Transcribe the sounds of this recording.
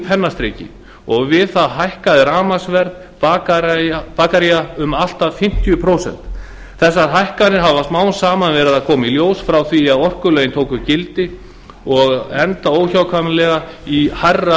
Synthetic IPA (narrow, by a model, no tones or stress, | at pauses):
pʰɛnːast̪ɾeːcɪ̰ | ɔɣvɪðθaðɦajhkaðɪɾaːmasvɛɾð | pakaapaːkaɾiaʏmal̥t̪aðfɪm̥t̪jʏpʰɾowsɛ̰n̥t̪ | θɛsːaɾɦajhkanɪɾɦavast̪maːwnsaːmanvɛːɾɪðaðkʰɔːmailjoːwsfɾawθviaðɔr̥kʏlœjɪnt̪ʰoːwkʏcɪlt̪ɪ | ɔɣɛnt̪aoːwçawkʰamlɛɣaiharːa